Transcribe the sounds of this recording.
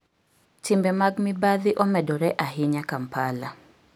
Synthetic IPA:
tɪmbɛmaɡmɪbaðɪʔɔmɛdɔɾɛʔaɦɪɲakampala

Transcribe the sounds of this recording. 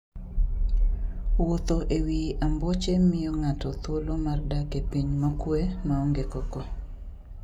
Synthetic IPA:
wot̪oʔewiʔambɔt͡ʃemɪjɔŋatɔt̪wolomardakepiɲmakwemaɔŋɡekɔkɔ

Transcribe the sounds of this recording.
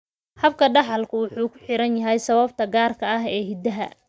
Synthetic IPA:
hɐb̚kʰɐɖɑħɑlkʰʊwʊħuːkʰʊ̥ħɪɾɐnjɐɦɛjsɐβɐb̚t̪ʰɐɡaːrkʰɐɐɦɛːɦɪd̪ɐɦɐ̰

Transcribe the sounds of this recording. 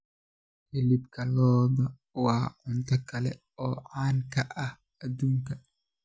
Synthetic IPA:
hɪlɪbkʰɐlɔːðɐ | wɑːʔʊnt̪ʰɐkʰɐlɛ | ɔːʕaːŋkʰɐʔɐh | ɐd̪uːŋkɐ

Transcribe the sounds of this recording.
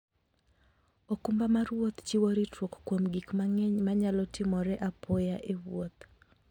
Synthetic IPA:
okumbamaɾwot̪t͡ʃiwoɾitʰwokkwomɡikmaŋɛɲmaɲalɔtɪmɔɾɛʔapʰojaʔewwot̪

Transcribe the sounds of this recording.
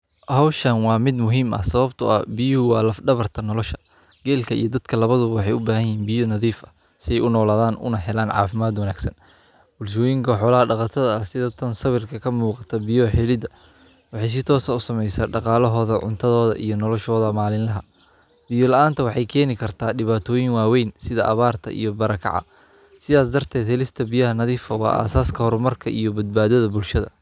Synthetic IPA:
hɐwʃɐnwɑːmɪd̪mʊɦiːmɐ̰sɐβɐbt̪ʰʊʔɐ̰bɪjʊhʊwɑːlɐfɖɐβɐrt̪ʰɐnɔlɔʃɐ̥ | ɡ̥ɛːlkʰɐḭjɞd̪ɐd̪̥kʰɐlɐβɐðʊwɑħɑjʊbaːhɐjiːnbɪjɔnɐðiːfɐ | sɪɛjʊnɔːlaːðaːnʔʊ̰nɐɦɛlaːnʕɑ̰ːfɪmaːd̪wɐnaːɡ̥sɐn | bʊlʃɔːjɪŋkʰɐħɔːlɐhɐɖɑqɑt̪ʰɐðɐɐsɪðɐt̪ʰɐnsɐβɪrkʰɐkʰɐmuːqɑ̥t̪ʰɐbɪjɔħɛlɪd̪ɐ | wɑħɑjs̬ɪt̪ʰɔːsɐʊsɐmɛjsaːɖɑqɑːlɔɦɔːðɐʕʊ̰nt̪ʰɐðɔːðɐ̰ʔḭjɞnɔlɔʃɔːðɐmaːlɪnlɐɦɐ | bɪjɔlɐʔaːnt̪ʰɐwɑħɑjkʰɛːnɪkʰɐrt̪ʰaːɖɪβaːt̪ʰɔːjɪŋwɑːwɛjnsɪðɐʔɐβaːrt̪ʰɐ̰ʔḭjɔbɐɾɐkʰɑ̰ʕɑ̰ | sɪðaːs̬d̪ɐrt̪ʰɛːd̪hɛlɪst̪ʰɐbijɐɦɐnɐðiːfɐwɑ̰ːʔa̰ːsaːskʰɐhɔɾmɐrkʰɐʔijɔbɐd̪̚baːðɐðɐbʊlʃɐðɐ̰

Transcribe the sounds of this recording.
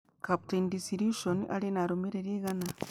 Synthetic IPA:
kap̚tendisiɾjuʃonʔa̰ɾinaɾomiɾeɾiɣana

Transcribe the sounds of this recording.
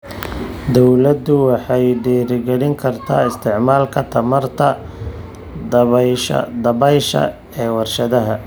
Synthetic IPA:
d̪ɔwlɐd̪ʊwɑħɑjɖiːɾɪɡɐɽɪŋkʰɐrt̪ʰaːɪst̪ʰɪʕmaːlkʰɐt̪ʰɐmɐrt̪ʰɐ | d̪̰ | d̪ɐβɛjʃɐ̰ | ɛːwɑrʃɐðɐɦɐ

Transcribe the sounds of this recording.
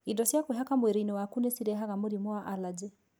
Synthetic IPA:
idɔsjakoɦakamwɛɾeinewakunesiɾɛɦaɣamoɾimwaʔalad͡ʒɛ

